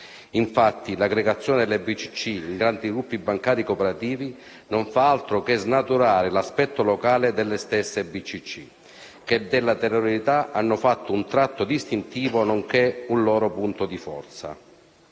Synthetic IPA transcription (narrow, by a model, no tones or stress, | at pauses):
iɱfat̪ːilaɡɾeɡat̪sːjɔːned̪elːebit͡ʃːi̥t͡ʃːiiŋɡɾant̪iɡɾupːibːaŋkaːɾikopɛɾat̪iːvi | noɱfaalt̪ɾokeznat̪uɾaːɾɪlaspɛt̪ːolokaːled̪elːest̪ɛsːebit͡ʃːit͡ʃːḭ | k̟ed̪ɪlːat̪ɛroɾit̪aʔanːʊfat̪ːount̪ɾat̪ːod̪ist̪int̪iːvonoŋk̟eunlɔːɾopunt̪od̪ifɔ̰rt̪sa̰